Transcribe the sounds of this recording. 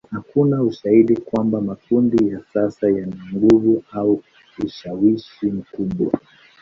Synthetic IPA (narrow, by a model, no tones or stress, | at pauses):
hakunauʃahiɗikwambamakundijasasajanaŋɡuvuau | uʃawiʃim̩kuɓwa